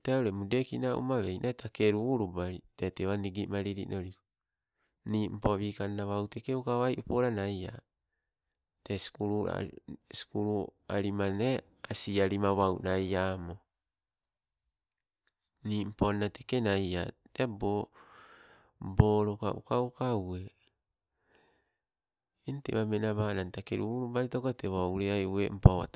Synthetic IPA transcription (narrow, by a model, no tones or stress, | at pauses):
teaoɾemude̞kinaʔṵmaβejnʔatʰakeɾuːɾubaiteteβaniɡimaɾiɾḭno̞ɾiko | niːm̩poβiːkanːaβawtekeukaβajʔupoɾanaja̰ | teskuɾṵskuɾu | a̰ɾimane | asiaɾimaβawnajaːmo | nim̩ponnatekenajatebo | boːɾoka̰ʔukaukawe̞ | ente̞̰βamenaβanantakḛɾuɾubaitokoteβawɾeajuwḛm̩pawa̰t